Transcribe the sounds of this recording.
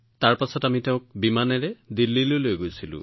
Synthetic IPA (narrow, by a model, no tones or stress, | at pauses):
taɹpasɔtamitɛʊ̃k̚bimanɛɹɛdilːilojlojɡojsilʊ̰̃